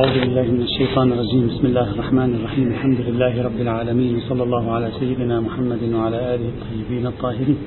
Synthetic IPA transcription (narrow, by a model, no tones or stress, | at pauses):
aʕuːðʊbɪlːaːhmɪnaʃːajt̪ˤɑːnɑrˤːɑd͡ʒiːmbɪsmɪlːaːhrˤːɑħmaːnɑrˤːɑħiːmalħamd̪ʊlɪlːaːhɪɾˤɑbːɪlʕaːlamiːnwɑsˤɑlːɑlˤːɑːhʊʕalaːsajːɪd̪ɪnaːmʊħamːad̪ɪnwaʕalaːʔaːlɪhɑt̪ˤːɑjːɪbiːnɑt̪ˤːɑːhɪɾiːn